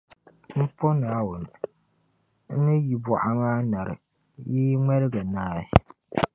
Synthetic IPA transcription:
m̩˦po˦naː˨˦wʊ˨n˨ | n̩˦nɨ˦ji˨bʊ˨ʔa˨maː˦na˨ɾɨ˨ | jiː˦ŋɛ˦ɾɨ˦ɡa˨naː˦jɪ˨

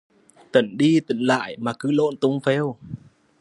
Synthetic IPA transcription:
t̪ə˧˩nɗi˧t̪ḭ˧˨ŋla̰ː˧˨jmaː˨˩kɨ˨˦lo̰˧˥˨nt̪ʊ˨˦ŋ͡mfɛ˧w

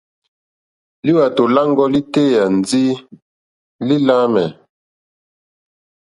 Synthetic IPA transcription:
li˦wa˨to˨la˦ŋɡɔ˦li˦te˦˨ja˨n˨d͡zi˦ | li˦la˦mɛ˨

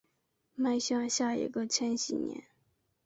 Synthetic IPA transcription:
ma˥˧ɪɕjɑ˥˧ŋɕja˥˩ḭ˨˩ɡə˧t͡ɕʰɛ˥nɕi˥˩njɛ̰˧˥˦n

